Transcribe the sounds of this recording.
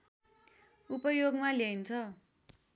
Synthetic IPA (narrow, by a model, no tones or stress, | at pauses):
upʌjoɡmaleint͡sʰʌ